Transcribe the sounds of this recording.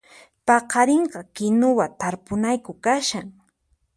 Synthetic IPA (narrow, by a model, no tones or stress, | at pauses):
pɑqɑɾɪɴɢɑkɪnʊwat̪aɾpʊnajkʊkaʃaŋ